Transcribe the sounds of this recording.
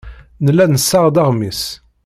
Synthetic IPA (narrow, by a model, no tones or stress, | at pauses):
nəlːænəsːɑʁd̪ɑʁmis